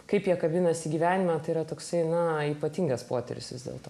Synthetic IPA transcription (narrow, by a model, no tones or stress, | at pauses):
kɐɪpjiɛkɐbʲɪnɐsʲɪɡʲiʋʲæːnʲɪmɐt̪ɐɪiɾɐt̪oːksɐɪnɐiːpɐt̪ʲiŋɡɐspoːt̪ʲɛ̰ɾʲɪ̰sʋʲɪzdʲḛːlˠt̪oː